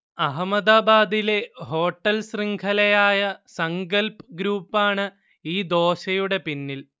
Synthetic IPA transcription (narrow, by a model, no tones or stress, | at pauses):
ɐɦɐmɐd̪aːbaːd̪ile̞ɦo̞ːʈːɐlsriŋɡʰʱɐlɐjaːjɐsɐŋɡɐlpɡɾuːpːaːɳɨ | iːd̪o̞ːɕɐjuɽe̞pinːil